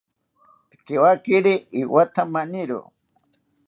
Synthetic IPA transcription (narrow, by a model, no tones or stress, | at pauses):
tkewakɪɾiiwat̪amanɪɾʊ̰